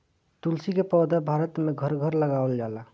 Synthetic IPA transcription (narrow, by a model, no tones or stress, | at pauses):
t̪ulsikepɔd̪əbʱaɾət̪meɡʱəɾɡʱəɾləɡabəld͡ʒala